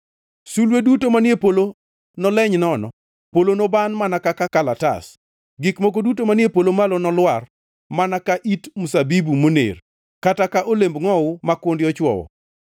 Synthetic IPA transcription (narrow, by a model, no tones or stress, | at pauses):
sulwedutomanjepolo | nɔlɛɲnɔnɔ̰ | polonobanmanakakakalata̰s | ɡikmok̬odutomanjepolomalɔnɔlwar | manakaʔitmusabibumonḛr | katakaʔolembŋɔʊmakwondɪɔt͡ʃwɔ̰wɔ̰